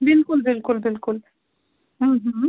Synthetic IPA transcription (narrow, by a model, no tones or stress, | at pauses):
bilkulbilkulbilkul | ɦ̩ɦ̩